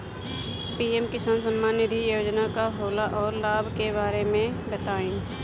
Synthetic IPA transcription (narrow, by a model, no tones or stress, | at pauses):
piːemkɪsaːnsə̃mːaːnɪd̪ʱijoːd͡ʒnakaɦoːlaʔɔːɾlaːbʱkebaːɾemẽbət̪aːen